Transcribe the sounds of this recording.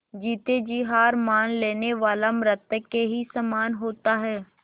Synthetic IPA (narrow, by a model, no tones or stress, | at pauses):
d͡ʒiːt̪eːd͡ʒiːɦaːɾmaːnleːneʋaːlaːmɾət̪keɦiːsamaːnɦoːt̪aːɦɛː